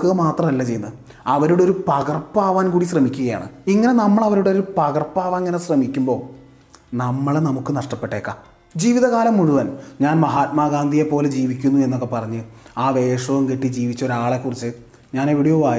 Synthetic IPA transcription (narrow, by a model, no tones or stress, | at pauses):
kɨmaːt̪rɐmɐlːɐt͡ɕejːunːɐðɨ | ɐʋɐɾuɽeo̞ɾupɐɣɐrpːaːʋaːnkuːɽiɕrɐmikʲːuɣɐja̰ːɳɨ̰iŋːɐne̞nɐmːɐɭɐʋɐɾuɽeoɾupɐɣɐrpːaːʋaeŋːɐnesrɐmikʲːumbo̞ː | nɐmːɐɭnɐmukːɨnɐʂʈɐpːe̞ʈːe̞ːkːaː | d͡ʑiːʋiðɐɣaːlɐmːuɻuʋɐnɲaːnmɐɦaːt̪̚maːɡaːnd̪ijepːo̞ːled͡ʑiːʋikʲːunːue̞nːo̞kːe̞pɐrɐɲːɨaːʋe̞ːʂɐʋɐmkeʈːid͡ʑiːʋit͡ɕːo̞ɾaːɭekːurit͡ɕːɨ | ɲaːneʋiɽijoːʋaːj